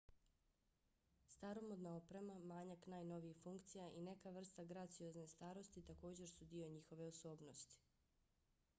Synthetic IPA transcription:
st̪aɾo̞mod̪naopɾemamaːɲaknaːjno̞ʋiixfuŋkt̪sijaʔine̞kaʋr̩st̪aɡɾat̪sijo̞zne̞st̪aːɾo̞st̪it̪ako̞ːd͡ʑe̞ɾsud̪io̞ɲixo̞ʋe̞oso̞ːbnost̪i̥

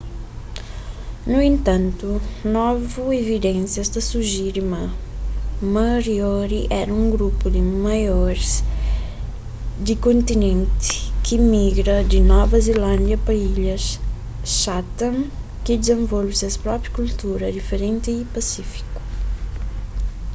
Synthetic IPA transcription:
nuẽnt̪ɐ̃nt̪unɔvuevid̪ẽnsjɐɛst̪ɐsuʒiɾɪmɐ | mɐɾiɔɾiʔɛɾɐũŋɡɾupʊd̪ɪmajɔɾz | d̪ɪkõnt̪inẽnt̪ɪ̥kɪmiɡɾɐd̪ɪnɔvɐzelɐ̃nd̪jɐpɐiʎɐs | ʃat̪ɐ̃n | kɪd̪ɪzẽɱvɔlvɪsɐspɾɔpɾjɐkult̪uɾɐd̪ifeɾẽnt̪ɪːpasifi̥kʊ̥

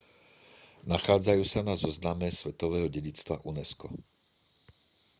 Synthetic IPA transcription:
naxaːd͡zajuːsanazɔznamɛsʋɛt̪ɔʋɛːɦɔɟɛɟit͡st̪ʋa̰ʔunɛskɔ̰

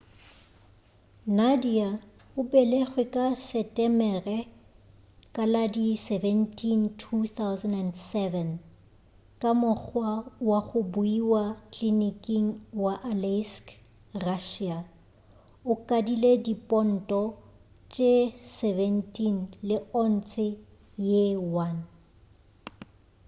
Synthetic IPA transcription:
nadia | ʊbɛleχwɪkʼasɛtʼɛmɛrɛ | kʼaladisɛvɛntʰʼintʰuθawzɛnɛndsɛvɛn | kʼamʊk͡xʰwawaχʊbʊiwakʰlinikʼiŋ̩waʔalɛsk | raʃia | ʊkʼadiledipʼɔn̩tʼɔ | t͡ʃʼesɛvɛntʰʼinlɪɔn̩t͡sʰɪ | jewan

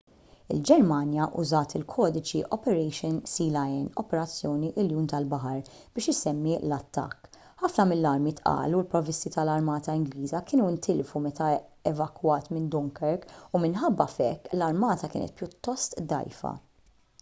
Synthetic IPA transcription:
ɪ̰ld͡ʒɛɾmɐnjɐʔʊzɐːt̪ɪlkʰɔːd̪ɪt͡ʃiʔɔpɛɾɛjʃɪnsiːlɐjɛnɔpɛɾɐt͡sːjɔːniʔɪljuːnt̪ɐlbɐħɐɾ | b̥ɪːʃɪsɛmːilɐt̪ːɐ̰kː | ħɐfnɐmɪlːɐɾmit̪ʔɐ̰ːlulpɾɔvɪst̪it̪ɐlɐɾmɐːt̪ɐɪŋɡliːzɐkɪːnuɪnt̪ʰɪlfumɛt̪ɐɛvɐkwɐːt̪mɪnd̪ʊŋkɛɾkumɪnħɐbːɐfɛkːlɐɾmɐːt̪ɐkɪ̰ːnʔɛ̰t̪̚pjʊt̪ːɔst̪d̪ɐ̰jfɐ̰

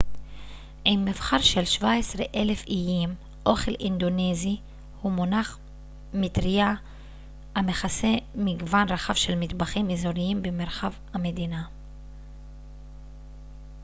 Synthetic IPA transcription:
ʔimːivχaʁʃelʃvaesʁeʔelefijim | ʔo̞χe̞lʔind̪onezi | humonaχ | mitʁia | ameχase̞miɡvanʁaχavʃelmit̪baχimezoʁiimbemeʁχavhamed̪ina

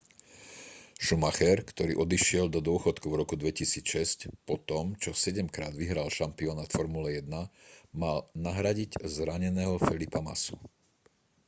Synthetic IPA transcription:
ʃumaxɛɾkt̪ɔɾḭːʔɔd̪iʃɪɛld̪ɔd̪ʊɔxɔt̪kuvɾɔkud̪ʋɛcisiːt͡sʃɛscpɔt̪ɔmt͡ʃɔsɛɟɛmkɾaːd̪ʋiɦɾalʃampiɔnaːt̪fɔɾmulɛjɛd̪namalnaɦɾaɟiɟzɾaɲɛnɛːɦɔfɛlipama̰su̥

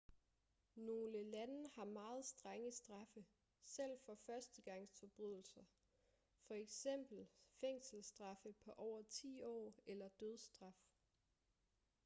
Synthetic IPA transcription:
no̝ːləlænəhɑ̈mɑ̈ːð̞̩ˠsd̥ʁaŋəsd̥ʁɑ̈fə | sel̰fɒ̽fɶɐsd̥əɡ̥ɑ̈ŋ̰sfʰɒ̽b̥ʁyð̞̰ˠl̩sɐ | fɒ̽eɡ̥sem̰b̥l̩feŋ̰sl̩sd̥ʁɑ̈fəpʰɒ̽ʔɒʊ̰ɐt͡sʰḭːɒ̰ːelɐd̥øð̞ˠsd̥ʁɑ̈f

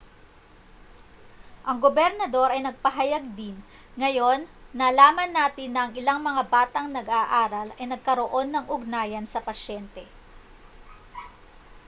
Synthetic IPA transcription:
ʔɐŋɡobɛɾnɐd̪o̞ɾɐjnɐɡ̚pɐɦɐjɐɡ̚d̪ɪn | ŋɐjo̞nːɐlaːmɐnːaːt̪ɪnːɐɐŋɪlaŋmɐŋabaːt̪ɐŋnɐɡaːʔaːɾɐlɐjnɐɡ̚kɐɾo̞ʔo̞nːɐŋʔʊɡ̚naːjɐnsɐpɐʃɛnt̪ɛ

